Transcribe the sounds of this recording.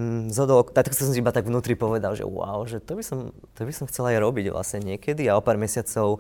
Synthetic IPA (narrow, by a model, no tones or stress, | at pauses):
zɦɔd̪ɔlɔkt̪at̪ksɔsɔmsiibat̪aɡʋnuːt̪ɾipɔʋɛd̪alʒɛ̰ʊa̰ʊʒɛt̪ɔbisɔm | t̪ɔbisɔmxt͡sɛlajɾɔbiɟʋla̰sɲɛɲɪɛkɛd̪iaɔpaːɾmɛsɪat͡sɔʊ